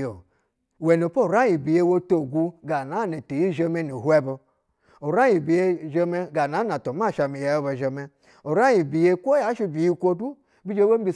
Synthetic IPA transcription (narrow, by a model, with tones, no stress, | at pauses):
o˨ | we˨n˨o˨po˦˨ɾa˦ji˨bi˨je˦wo˦to˨ɡu˧ɡa˨na˨˦ne˨te˨ji˦ʒe˦me˦ni˨ɦwe˦bo˧ | o˨ɾa˦ji˨bi˨je˦ʒe˦me˦ɡa˨na˨˦na˨to˨ma˦˨ʃa˨mi˨ja˨jo˦bo˨ʒe˨me˦ | o˨ɾa˦ji˨bi˨je˦kʷo˦ja˨˦ʃi˦bi˨ji˦kʷo˦du˦ | bi˦d͡ʒe˦wo˦m˦ɡi˧˨